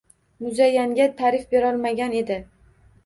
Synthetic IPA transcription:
mʊzajːaŋɡʲat̪ʰaɾɪfbe̞ɾɒlˠmaɡʲane̞d̪ɪ

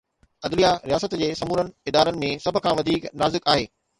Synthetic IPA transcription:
ɐd̪lijaɾijaːsət̪d͡ʑeːsɐmuːɾənɪ̆ɪd̪aːɾənɪ̆mẽsɐbʱʊ̆kʰãːʋɐd̪ʱiːknaːzɪkaːɦeː

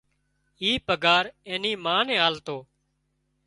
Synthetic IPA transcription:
iːpəɡaːɾẽːnĩːmãːnɛ̃ːaːlt̪oː

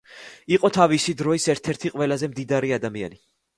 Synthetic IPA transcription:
iqʼɔt̪ʰavisid̪ɾɔisɛɾt̪ʰɛɾt̪ʰiqʼwɛlazɛmd̪id̪aɾiad̪amia̰ni

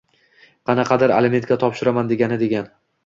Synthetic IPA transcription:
qʰɑnɑqʰɑd̪aɾa̰lɪme̞nt̪kʲat̪ʰɒpʃɪɾamand̪e̞ɡʲanɪd̪e̞ɡʲan

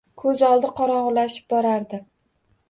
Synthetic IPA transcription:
kʰɵzɒlˠd̪ɪqʰɒɾɒʁlaʃɪ̥p̚bɒɾaɾd̪ɪ

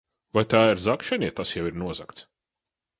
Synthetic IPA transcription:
vajt̪aːiɾzakʃanʲiɛt̪asjawiɾnuɔzakt̪s

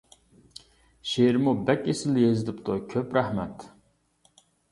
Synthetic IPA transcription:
ʃeɾmubɛkʲesɪlːjezɪlɪpt̪ʰʊkʲʰøpɾæhmɛt̪

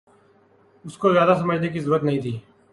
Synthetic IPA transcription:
ʊskozjaːd̪as̬ɐməd͡ʒʱnek̬izəɾuːɾət̪nɐɦĩːt̪ʰiː

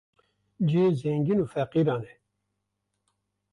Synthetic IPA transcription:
d͡ʒezɛŋɡinuːfɛqiːɾɑːnɛ

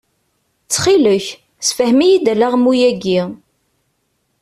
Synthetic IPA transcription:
t͡sːχiləç | sfəhmijid̪ælæʁmːujæɡi

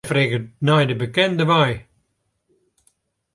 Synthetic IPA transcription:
fɾeɡənajdəbəkɛnd̪əvaj

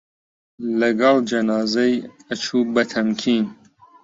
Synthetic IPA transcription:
lɐɡɑld͡ʒɐnɑːzɛjɐt͡ʃʰuːbɐt̪ʰɐmkʰiːn

